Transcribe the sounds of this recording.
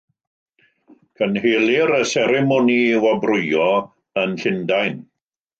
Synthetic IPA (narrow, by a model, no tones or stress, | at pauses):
kʰənɦeːlɪɾəsɛɾɛmɔniwabrʊjɔ | ənɬɪndajn